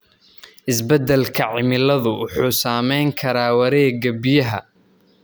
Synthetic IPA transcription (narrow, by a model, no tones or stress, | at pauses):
ʔɪsbɛd̪ɛlkʰɐʕɪmɪlɐðʊwʊħuːsaːmɛjŋkʰɐɾaːwɐɾɛːɡɐbɪjɐɦɐ̰